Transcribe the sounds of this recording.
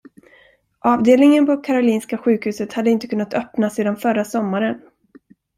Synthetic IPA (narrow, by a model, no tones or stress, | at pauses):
ʔɑːvd̪eːlnɪŋənpʰɔkʰaɾʊliːnskaɧʉ̟ːkhʉ̟ːsət̪had̪ːəɪnt̪əkʰɵnːat̪ʰœpnaseːd̪anfœɾasɔmːaɾən